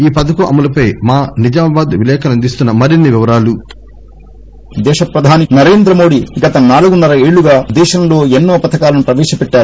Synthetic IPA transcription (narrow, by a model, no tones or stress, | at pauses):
iːpɐd̪ɐkuʔɐ̰mɐlɐpɐjmaːnid͡ʒaːmɐbaːd̪ʋilɛːkɐnɐnd̪ist̪unːɐmɐɾinːiʋiʋɐɾaːlu | d̪ɛːʃɐpɾɐd̪ʱaːninɐɾe̞ːnd̪ɾɐmo̞ːɽiɡɐt̪ɐnaːluɡunːɐɾɐe̞ːɭuɡaːd̪ɛːʃɐmlo̞ːenːoːɐpɐt̪ɐkaːlɐnupɾɐʋɛːʃɐpɛʈːaːɾ